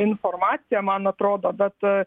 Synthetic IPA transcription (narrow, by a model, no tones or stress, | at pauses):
ɪnfoːrmɑːt̪sʲɪjɛmɐnɐt̪ɾoːd̪oːbʲɛt̪